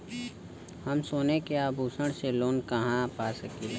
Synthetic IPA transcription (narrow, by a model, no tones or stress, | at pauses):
həmsoːnekeabʱuːsəɽ̃seloːnkɐɦãpaːsəkilː